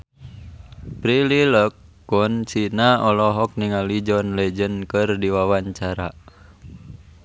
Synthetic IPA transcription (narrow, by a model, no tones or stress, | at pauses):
pɾililəkː | unsinaɔlɔɦɔk̚niŋalid͡ʒɔnlɛd͡ʒənkɨrdiwawaɲt͡ʃaɾa